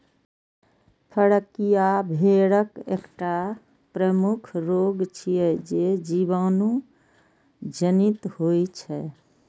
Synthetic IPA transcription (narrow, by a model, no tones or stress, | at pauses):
pʰəɽəkijabʱeɽəkḛkʈa | pɾəmukʰɾoɡt͡ʃʰijɛd͡ʒed͡ʒibaːnũ | d͡ʒənit̪hojt͡ʃʰɛ